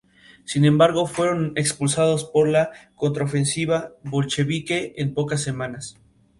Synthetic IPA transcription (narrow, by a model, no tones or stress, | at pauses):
sinẽ̞mbaɾɣo̞fwe̞ɾo̞ne̞kspulsað̞o̞spo̞ɾlako̞nt̪ɾaofe̞nsiβaβo̞lt͡ʃe̞βike̞empo̞kas̬ːe̞mãnas